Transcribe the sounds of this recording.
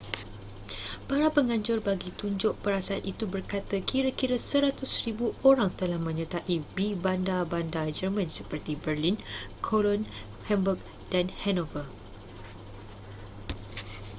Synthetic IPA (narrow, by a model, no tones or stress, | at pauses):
paɾapəŋãɲd͡ʒʊrbaɡit̪uɲd͡ʒʊʔ̚pəɾasaanʔit̪ubərkat̪akiɾakiɾasəɾat̪ʊsɾibuoɾaŋt̪əlahmə̃ɲə̃t̪aʔibibandabandad͡ʒərmãnsəpərt̪ibərlinkʰolɔn | hɛmbuk̚ | d̥anhɛnɔvə